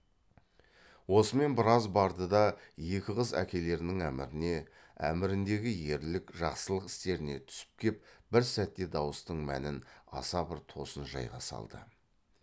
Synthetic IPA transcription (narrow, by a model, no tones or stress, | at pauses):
wo̞səme̞nbɪɾɑzbɑɾd̪əd̪ɑje̞kʲɪʁəzæ̰kʲe̞le̞ɾɪnɪŋæmɪɾɪne̞ | æ̰mɪɾɪnd̪e̞ɡʲɪje̞ɾlɪkʒ̥ɑqsəlˠəqɪ̥st̪e̞ɾɪne̞t̪ʰʏ̥sɪ̥p̚kʲʰe̞p̚bɪɾsæt̪ːe̞d̪ɑwəst̪əɴmæ̰nɪnɑ̰sɑbɪɾt̪ʰo̞sənʒɑ̰jʁɑ̰sɑ̰lˠd̪ə̰